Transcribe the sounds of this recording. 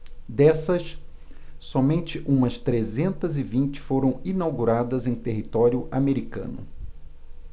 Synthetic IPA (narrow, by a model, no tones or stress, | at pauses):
d̪ɛsɐs | sɔmẽnt͡ʃɪʔũmɐst̪ɾezẽnt̪ɐzɪvĩnt͡ʃɪ̥foɾɐ̃w̃inawɡuɾad̪ɐzẽj̃t̪eɦit̪ɔɾjʊʔameɾikɐ̰̃nʊ̰